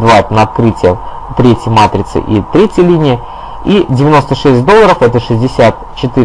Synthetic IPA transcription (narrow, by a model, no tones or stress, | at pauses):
d̪vat̪nəɐt̪̚kɾɨtʲɪjə | t̪ɾʲetʲjɪəmat̪ɾʲɪt̪sɨ̰ʔit̪ɾʲetʲjəlʲinʲɪjə | idʲɪvʲɪno̞st̪əʂɛsʲt̚ʲd̪o̞lˠːəɾəfɛt̪əʂɨzʲdʲɪsʲat̪ | t͡ɕɪt̪ɨ